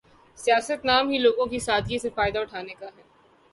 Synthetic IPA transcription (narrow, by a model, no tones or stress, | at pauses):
sijaːsət̪naːmɦiloːɡõkisaːd̪jẽsefaːɪd̪aʊʈʰaːnekaɦɛː